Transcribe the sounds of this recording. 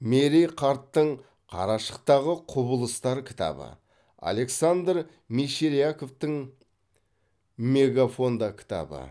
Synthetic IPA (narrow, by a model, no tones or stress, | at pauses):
meɾijqʰɑɾt̪ːəɴ | qʰɑ̰ɾɑʃə̥q̚t̪ɑʁəqʰʊbəlˠəst̪ɑɾkʲʰɪ̥t̪ʰɑ̰bə̰ | a̰lˠe̞ksand̪ɾ | miʃeɾijako̞ft̪əŋ | me̞ɡafo̞nd̪ɑkʲʰɪ̥t̪ɑ̰bə̰